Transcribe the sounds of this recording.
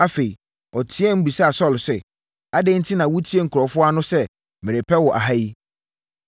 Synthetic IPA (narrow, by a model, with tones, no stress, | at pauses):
a˦fe˨i˨ | ɔ˨tʰi˦ɛ˦m̩˦bu˨sa˦a˨sɔ˦˨lsɛ˨ | a˦dɛ̃˦n̩˦tʰɪ˦nã˨wʊ˦tʰi˦ɛ˦ŋ̩˨kʰɾɔ˨fʊ˦a˦nʊ̃˦sɛ˦ | mɪ̃˨ɾe˨pʰɛ˦wɔ˨ʔa̰˨ɦa˦ji˦